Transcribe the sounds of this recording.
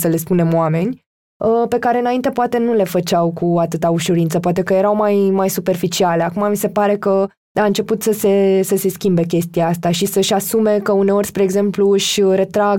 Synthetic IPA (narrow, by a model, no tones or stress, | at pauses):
səle̞spune̞moame̞nʲ | əpe̞kaɾeɨnaint̪e̞poat̪e̞nule̞fət͡ʃawkuat̪ɨt̪auʃuɾint̪səpoat̪e̞kəje̞ɾawmajmajsupe̞rfit͡ʃiale̞akumamise̞paɾe̞kə | aɨnt͡ʃe̞put̪səse̞səse̞skʲimbe̞kʲe̞st̪ijaast̪aʃisəʃasume̞kəune̞o̞rʲspɾe̞ːɡze̞mpluɨʃʲɾe̞t̪ɾaɡ